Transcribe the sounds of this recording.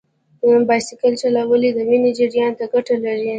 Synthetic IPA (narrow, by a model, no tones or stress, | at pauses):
bɑjsɪkəlt͡ʃalawəlid̪əwinid͡ʒɪɽjɑnt̪aɡaʈalaɾi